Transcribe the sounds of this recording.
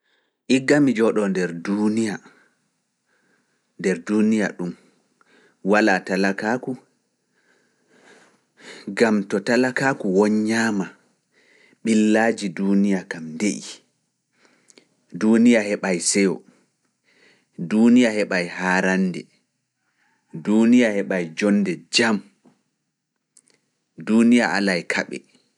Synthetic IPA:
ʔiɡːamid͡ʒɔɗɔndɛɾdunija | ndɛɾdunija̰ɗum | walatalakaku | ɡamtɔtalakaːkuwɔɲːaːma | ɓilːad͡ʒidunijakamndeʔi | duːnijahɛɓajsɛjɔ̰ | dunijahɛɓajhaːɾandɛ̰ | dunijahɛɓajd͡ʒɔnːdɛd͡ʒam | duːnijaʔa̰lajkʰaɓɛ̰

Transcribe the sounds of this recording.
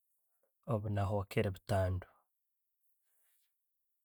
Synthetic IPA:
oβunaɦokeɾeβutaːndo̥

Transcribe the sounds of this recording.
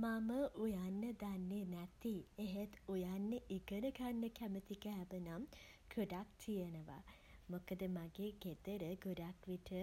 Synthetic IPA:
maməʔujanːəd̪anːenɛt̪ieɦet̪ujanːəʔiɡənəɡanːəkæmət̪ikæɦːbənam | ɡ̥uɖak̚t̪ʰijənəʋa̰ | mokəd̪əmaɡeːɡed̪əɾəɡuɖakʋiʈʰə

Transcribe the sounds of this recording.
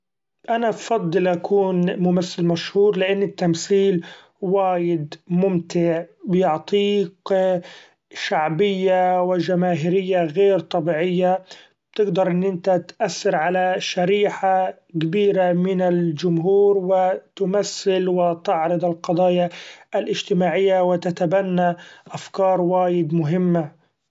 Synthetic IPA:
ʔanafɑd̪ˤːɨlʔakʰuːnmʊmaθːɪlmaʃhuːɾlɪʔanːɪt̪ːamsiːl | waːjɪd̪mʊmt̪ɪʕbɪjʊʕt̪ˤiːq | ʃaʕbɪjːawɪd͡ʒamaːɦɪɾɪjːaɣeːɾt̪ˤɑbiːʕɪjːa | b̚t̪ɪɡd̪ɑɾˤʔɪnːʔɪnt̪at̪ʔaθːɪɾʕalaʃaɾiːħa | kabiːɾamɪnɪld͡ʒʊmɦuːɾwɪt̪ʊmaθːɪlwɪt̪ɪʕɾɨd̪ˤɪlqɑd̪ˤɑːjaːlʔɪd͡ʒt̪ɪmaːʕɪjːawɪt̪at̪abanːaʔafkɑːɾˤwaːjɪd̪mʊɦɪmːa

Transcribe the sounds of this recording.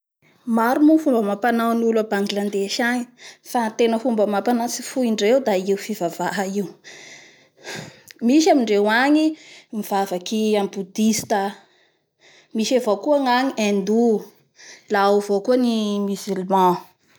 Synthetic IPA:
maɾumufumbəmapanawnulabaŋɡiland̪eʃaɲi̥fant̪enəfumbəmapanat͡sifuiɳɖ͡ʐewd̪aiwfivavaɦaiw | miʃamiɳɖ͡ʐewaɲimiv̥avakiambud̪ist̪a | miʃavokuaŋaɲiẽnd̪u | lawvokuənimizylmɑ̃

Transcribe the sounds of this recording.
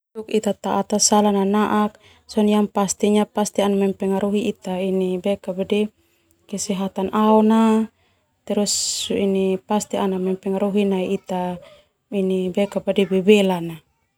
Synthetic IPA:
t̪ukit̪at̪aʔat̪asalananaʔak̚ | sɔniaŋpast̪iɲapast̪ianamɛmpɛŋaɾʔuɦiːt̪ainibɛkabadi | kɛsɛɦat̪anʔaɔna | t̪ɛɾusuinipast̪ianamɛmpɛŋaɾuɦinaiit̪a | inibɛkabadibɛbɛlana

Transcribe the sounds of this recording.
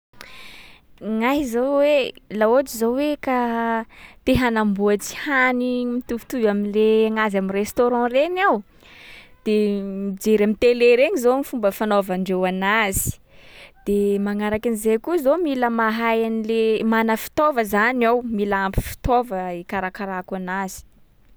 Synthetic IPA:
ŋaɦizowwelaoʈ͡ʂizoweka | t̪eɦanambuat͡si̥hanimit̪uvu̥t̪uvaminleaŋazamirest̪oɾɑ̃renaw | d̪̥emid͡ʒeɾamit̪eleɾeɲizomifumbəfanovaɳɖ͡ʐewanazi̥d̪̥emaŋaɾakinizekuzomiləmaɦajanilemanəfi̥t̪ovəzanawmilaampi̥fi̥t̪ovəikaɾakaɾakanazi̥

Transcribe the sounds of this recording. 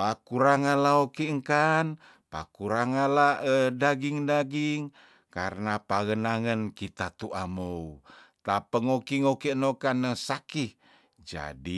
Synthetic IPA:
pakuɾaŋalaokiəŋkan | pakuɾaŋalaədaɡiŋdaɡiŋ | kaɾənapaɣənaŋənkit̪at̪uʔamout̪apəŋokiŋokeʔnokanəsaki | d͡ʒa̰di

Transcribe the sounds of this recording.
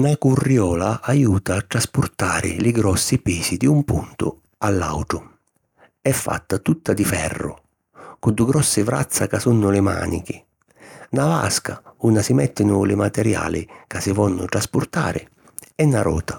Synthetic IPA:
nakurːjɔːlaajuːt̪aːt̪ːɾaspʊrt̪aːɾɪ̰lɪɡɾɔsːipiːsid̪iumpunt̪ʊ̰ | alːa̰wʈɾʊ | ɛfːa̰t̪ːat̪ut̪ːad̪ifɛrːʊ̰ | kʊd̪uɡɾɔsːɪvɾa̰t̪sːakasunːʊlɪma̰ːnḭkɪ | nava̰skaunasɪmɛt̪ːɪnʊlɪmat̪ɛɾja̰ːlɪkasɪvɔnːʊt̪ɾaspʊrt̪a̰ːɾʔɪ̰ | ɛnːaɾʔɔ̰ːt̪a

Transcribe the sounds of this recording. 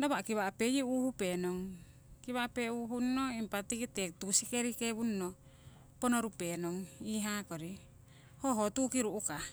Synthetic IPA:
daβakiβapejiuhupenoŋ | kiβapeuɦunnːoimpatikitek̚tusikeɾikeβunno | ponoɾupenoŋiɦakoɾi | hoɦotukiɾuʔuka

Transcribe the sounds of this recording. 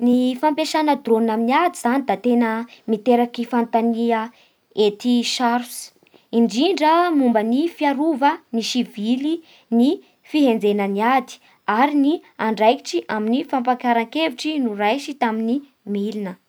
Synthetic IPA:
nifampeʃanəd̪ronaminiad̪izanid̪at̪enəmit̪eɾakifant̪aniə | et̪iʃaɾs | iɳɖ͡ʐiɳɖ͡ʐəmumbənifiaɾuvəniʃivili | ni | fiɦend͡zenəniad̪i̥ | aɾiniaɳɖ͡ʐajki̥ʈ͡ʂiʔaminifampakaɾaŋkeviʈ͡ʂinurajʃit̪amini | milinə

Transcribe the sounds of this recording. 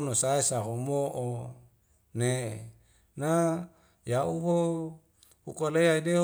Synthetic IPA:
nosaesaɦumoʔo | ne | na | jaʔuwo | ukoleaide

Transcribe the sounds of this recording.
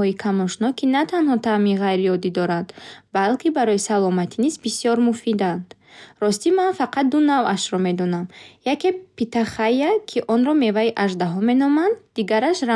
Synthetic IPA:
ɔikʰamɔʃnɔkʰinat̪ʰanhɔt̪ʰaminʁajɾiɔd̪id̪ɔɾand̪balkʰibaɾɔisalɔmat̪ʰinizbisijɔɾmufid̪and̪̥ | ɾɔst̪imanfaqʰat̪̚d̪unavaʃɾɔme̞d̪ɔnamjakepit̪aχajakʰiʔɔnɾɔme̞vaiʔaʒd̪aɦɔme̞nɔmand̪ːiɡaɾaʃɾa

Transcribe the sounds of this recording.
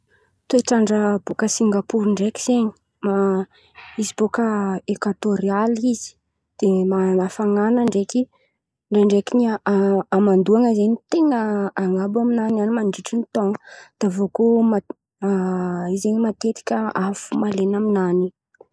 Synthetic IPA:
t̪oeʈ͡ʂaɳɖ͡ʐəbokəsiŋɡapuɾiɳɖ͡ʐeki̥z̥eɲi̥ | ma | izib̥okəekwat̪oɾializi̥ | d̪̥emanafaŋanəɳɖ͡ʐeki | leɳɖ͡ʐekiɲiː | mand̪uaŋəzeɲit̪eŋəaŋabaminananimaɳɖ͡ʐiʈ͡ʂinit̪oŋə̥d̪̥avokoma | izeɲimat̪et̪i̥kʲəafumalenaminani

